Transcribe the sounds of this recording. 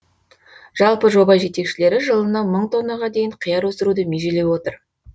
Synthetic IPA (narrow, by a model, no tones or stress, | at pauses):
ʒ̥ɑlˠpəʒo̞bɑʒe̞t̪e̞kʃɪle̞ɾɪʒəlˠənɑməɴt̪ʰo̞nːɑʁɑd̪e̞jɪɴqʰəjɑɾwɵsəɾud̪əmeʒele̞wo̞t̪əɾ